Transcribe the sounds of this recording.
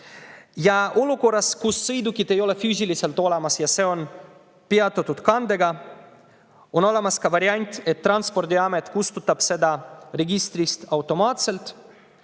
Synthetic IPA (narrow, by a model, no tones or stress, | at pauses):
jaʔolokoɾaskusːɨjd̪ukit̪ejolefyʒiliselt̪olamasjasɛon | piat̪ot̪ut̪kand̪eɡa | onolamaskaʋaɾjanʲt̪et̪ːɾanspɔɾt̪jamet̪kust̪ut̪ːapsed̪aɾeɡist̪ɾist̪awt̪omat̪selt̪